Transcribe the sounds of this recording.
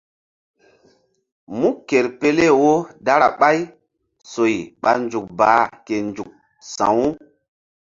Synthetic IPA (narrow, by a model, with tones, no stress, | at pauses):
mu˦ke˨ɾpe˦le˦˨wo˦da˦ɾa˨ɓa˦j | so˨jɓa˨nd͡ʒu˨k̚baː˨˦ke˨nd͡ʒu˨k̚ | sã̰˨wu˦